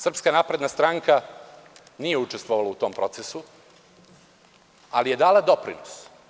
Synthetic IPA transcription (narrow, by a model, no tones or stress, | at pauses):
sr̩pskanaːpɾe̞d̪nast̪ɾaŋka | nije̞ut͡ʃest̪ʋoʋalaut̪o̞ːmpɾo̞t̪sesu | alije̞d̪aːlad̪o̞pɾḭnos